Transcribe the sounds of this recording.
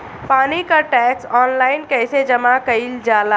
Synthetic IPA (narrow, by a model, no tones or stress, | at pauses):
paːnikaʈɛːksɔːnlaːɪnkɛːsed͡ʒɐmakɐild͡ʒaːla